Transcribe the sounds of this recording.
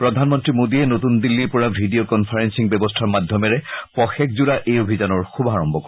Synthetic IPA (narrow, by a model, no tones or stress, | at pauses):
pɹɔd̪ʱanmɔntɹimod̪iɛnotund̪ilːiɹpɔɹabʱidiokɔnpʰaɹensiŋbɛbɔstʰaɹmad̪ʱjɔmɛɹɛpɔxɛkzuɹaʔejobʱizanɔɹxubʱaɹɔmbʱɔkɔ